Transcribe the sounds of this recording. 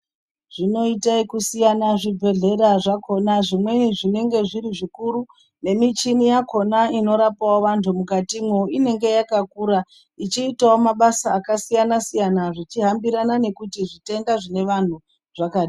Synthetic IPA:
ʐ̥ino̞itaikusijanaʐibʱe̞ɮe̞ɾaʐakʰo̞naʐimwe̞iʐine̞ŋɡe̞ʐiɾiʐikuɾu | ne̞mit͡ʃinijako̞naino̞ɾapawoʋantʰumukatimwoine̞ŋɡe̞jakakuɾa | it͡ʃiːtawomaɓasaːkasijanasijanaʐit͡ʃiɦambiɾanane̞kutiʐite̞ŋɡaʐine̞ʋan̤u | ʐ̥akaːɗi

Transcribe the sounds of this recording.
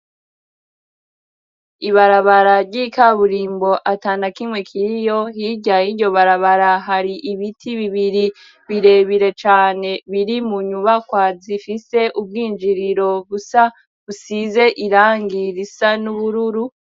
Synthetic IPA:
iβaɾaβaɾaɾɟikaβuɾiːmbo̞ʔataːnakimŋwe̞kʰiɾijo̞ɦiɟajiɟo̞βaɾaβaɾaɦaɾiʔiβitʰiβiβiɾi | βiɾe̞ːβiɾe̞t͡ʃaːne̞βiɾimuɲuβakwazifise̞ʔub̚ɡiːnd͡ʒiɾiɾo̞βusa | βusize̞ʔiɾaːŋɡiɾisanuβuɾuɾu

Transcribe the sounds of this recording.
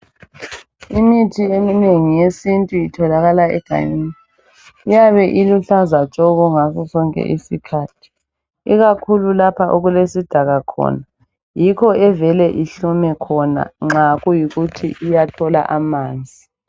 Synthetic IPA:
imitʰiemineŋijesintʼuitʰɔlaɣalaɛ̰ɡ̥ʱa̰ɲiːni | ijaβɛʔiluɬazat͡ʃʼɔɣuŋasɔsɔŋkʼɛ̰ʔisikʰaːtʰi̥ | iɣakʰululapʰaʔoɣulesid̥ʱaɣakʰɔ̰na | jikʰɔɛvɛlɛʔiɬumɛkʰɔna̰ŋ͡ǁaɣujiɣutʰḭʔijatʰɔla̰ʔamaːnd͡zʱi

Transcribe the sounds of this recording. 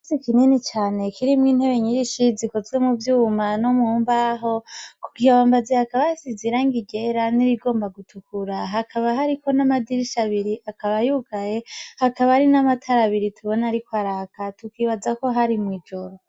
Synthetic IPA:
sikininit͡ʃaːne̞kʰiɾimŋiːn̥he̞βe̞ɲiɾiʃizikozwemuvjumanomuhuːmbaɦo̞kuɡijaβambazehakaβajasiziɾaŋɡiɡe̞ɾaniɾiɡo̞ːmbaɡutʰukuɾaɦakʰaβaɦaɾiko̞namadiɾiʃaβiɾiʔakaβajuɡaje̞hakaβahaɾinamatʰaɾaβiɾitʰuβo̞naɾikwaɾakatukiːβazako̞ɦaɾimwiːd͡ʒo̞ɾo

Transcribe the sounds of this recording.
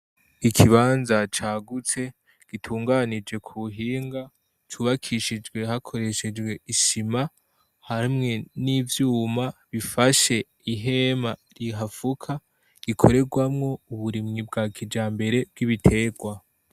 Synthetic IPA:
ikʰiβaːnzat͡ʃaːɡut͡se̞ | ɡ̥itʰuːŋɡanid͡ʒe̞kʰuɦiːŋɡa | t͡ʃuβakʰiʃid͡ʒɡwe̞hakʰo̞ɾe̞ʃe̞d͡ʒɡwe̞iʃima | haɾimŋe̞nivjuːmaβifaʃe̞ | iɦe̞maɾiɦafukʰa | ɡ̥ikʰo̞ɾe̞ɡwamŋo̞uβuɾimŋib̚ɡaːkʰid͡ʒaːmbe̞ɾe̞b̚ɡiβitʰe̞ːɡwa

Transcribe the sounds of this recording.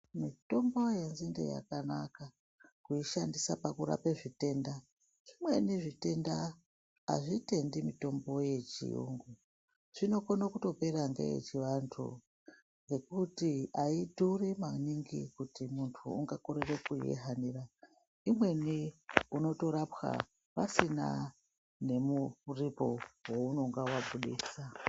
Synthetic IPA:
mito̞mbo̞jenzindḛja̰kanaka | kuiʃandisapakuɾa̰peʐite̞nda | ʐ̥imwe̞niʐite̞nda | a̰ʐite̞ndimito̞mbo̞je̞t͡ʃḭjṵŋɡu | ʐ̥ino̞konokuto̞pe̞ɾaŋɡḛjḛt͡ʃiʋantʰṵ | ŋɡe̞kutiaidʱurimaniŋɡikutimuntʰuuŋɡakoɾerekujḛɦaniːra | imwe̞niuno̞to̞ɾapxa̰ | pasina̰ | ne̞muripo̞wouno̞ŋɡawabʱuɗḭːsa

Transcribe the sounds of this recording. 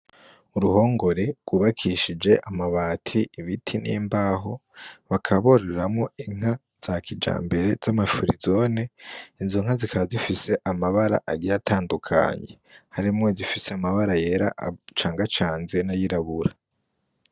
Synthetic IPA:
uɾuho̞ːŋɡo̞ɾe̞ɡ̥wuβakʰiʃid͡ʒe̞ʔamaβaːtʰiiβitʰinḭːmbaːɦo̞βakʰaβo̞ɾe̞ɾamŋo̞ʔiŋ̥a | z̥aːkʰid͡ʒa̰ːmbe̞ɾe̞z̥amafuɾḭzo̞neinzoŋ̥azikaβazifise̞ʔamaβaɾa̰ʔaɡijatʰaːndukʰa̰ɲe̞ | haɾimŋo̞zifiseamaβaɾaje̞ːɾa̰ʔt͡ʃaːŋɡat͡ʃaːnzenajiɾaβuɾa

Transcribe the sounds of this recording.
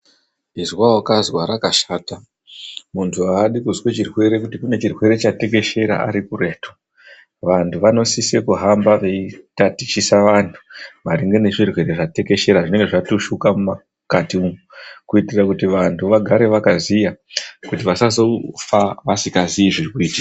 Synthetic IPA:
izwawakazwaɾakaʃaːta | muntʰuaɗikuzwet͡ʃirwe̞ɾe̞kutikune̞t͡ʃirwe̞ɾe̞t͡ʃate̞ke̞ʃe̞ɾa̰ʔa̰ɾikure̞ːtʰo̥ | ʋantʰuʋano̞sisekuɦambaʋeitatit͡ʃisaʋantʰu̥ʋaɾiŋɡene̞ʐirwe̞ɾe̞ʐate̞ke̞ʃe̞ɾaʐine̞ŋɡe̞ʐatoʃukamuma | katiumukuitirakutiʋantʰuʋaɡʱaɾe̞ʋakazijakutiʋasasofaʋasikaziiʐirwiːd͡ʒi

